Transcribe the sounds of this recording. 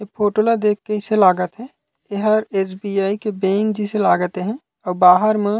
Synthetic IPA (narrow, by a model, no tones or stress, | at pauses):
epʰoːʈolad̪eːkkːəiselaːɡət̪ɦɛ | eɦəɾeːsbiːaːikebẽːŋkd͡ʒiselaːɡət̪eɦɛ̃ | ɔːɾbaːɦəɾmẽ